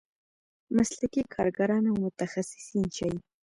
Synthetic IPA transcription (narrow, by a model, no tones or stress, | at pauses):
maslakikʰɑɾɡaɾɑnawmʊt̪axasɪ̥sint͡ʃaj